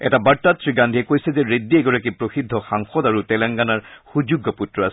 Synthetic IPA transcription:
ɛ̰tabaɹtatʰɹiɡandʱiɛkojsɛzɛɹediɛɡɔɹakipɹoxidʱːɔxaŋxɔdaɹutɛlaŋɡanaɹxud͡ʒuɡːɔputɹɔasɛ

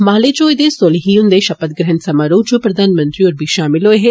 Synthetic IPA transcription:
maːled͡ʒoːjd̪esolɦiʊnd̪eʃɐpət̪̚ɡɾɛɦənsɐmaːɾoːd͡ʒopɾɐd̪ʱaːnmə̃nt̪ɾioːɾbʱiːʃaːmɪloːɦe

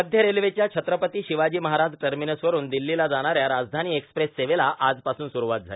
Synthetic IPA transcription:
əd̪ʱjəɾelʋet͡ɕjat͡ɕʰət̪ɾəpət̪iːɕiʋad͡ʑiːməɦaɾad͡zʈəɾminəsʋəɾuːnd̪ilːilad͡zaɽ̃aɾjaɾad͡zd̪ʱaniːekspɾesːeʋelaʔad͡zpasuːnsuɾuʋat̪̚d͡zʱa̰le

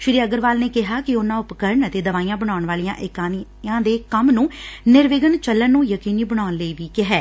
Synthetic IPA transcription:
ʃɪɾiːəɡəɾʋaːlneːkɪɦaːkɪʊnãːʊpkəɾɳət̪eːd̪əʋaːiːãːbəɽ̃aːʊɳʋaːlijã̰ːʔɪkaːn | ãːd̪eːkəmnũːnɪɾʋɪɡənt͡ʃəlːənːũːjəkiːniːbəɽ̃aːʊnləiːʋiːkɪɦɛː

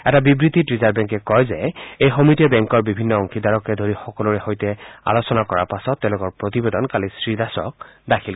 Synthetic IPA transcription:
ɛtabibɹititɹizaɹbɛŋkɛkɔjzɛejxomitiɔbɛŋkɔɹbibʱinːɔɔŋkʰidaɹɔkɛdʱoɹixɔkɔlɔɹɛxojtɛa̰losɔnakɔɹaɹpasɔtːɛʊ̃lʊkɔɹpɹotibedɔnkalisɹidasɔ̰k̚dakʰil

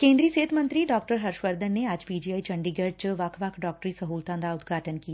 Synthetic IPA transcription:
kẽːnd̪ɾiseːt̪ʰmə̃nt̪ɾiɖɔːkʈəɾɦɐɾʃʋəɾd̪ʱənːeaːd͡ʒpiːd͡ʒiːaːit͡ʃɐ̃ɳɖiːɡəɾt͡ʃʋaːkʰʋakʰɖɔːk̚ʈɾisɐɦuːlt̪ãːnd̪aʊd̪ɡʱaːʈənki

